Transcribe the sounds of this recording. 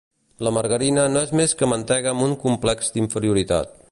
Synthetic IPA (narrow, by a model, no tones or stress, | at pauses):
ləməɾɣəɾinənoezmeskəmənt̪ɛɣəːmbuŋkumplɛkz̥d̪iɱfəɾiuɾit̪a̰t̪̚